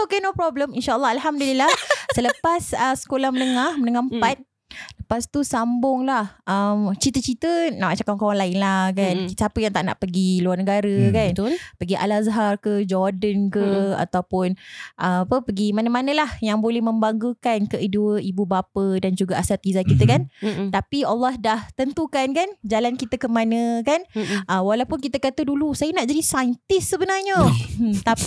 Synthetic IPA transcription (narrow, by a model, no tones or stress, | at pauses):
sokɛnopɾɔbləminʃaʔəlːɑalɦamdulilahsələpasəsə̥kolahmənəŋahmənəŋahmpat̪̚ | ləpast̪usambʊŋlahʔəmt͡ʃit̪ət͡ʃit̪ənaʔmat͡ʃakaŋkoɾaŋlaɪnlahkankiapəjaŋt̪aʔna̰ʔpəɡiluarnəɡaɾəkant̪lpəɡiʔa̰lazaɦarkəd͡ʒɔrdənkəa̰t̪awpʊnʔaapəpəɡimanəmanə̃lahjaŋbolɛhmə̃mbaŋɡukankəʔiduəibubapədand͡ʒuɡaasat̪̚izakit̪əkant̪apialːɔhdaht̪ənt̪ukankand͡ʒalankit̪əkəmanə̃kanʔəwalawpʊnkit̪əkat̪ədulusajənaʔd͡ʒadisajnt̪ɪsːəbənarɲət̪a